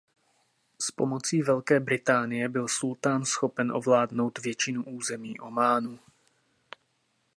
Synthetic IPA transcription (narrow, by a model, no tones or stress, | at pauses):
spo̞mo̞t͡siːvɛlkɛːbɾɪt̪aːnɪjɛbɪlsult̪aːnsxo̞pɛnʔo̞̰vlaːdno̞wt̪vjɛt͡ʃɪnuʔuːzɛmiːʔo̞maːnuː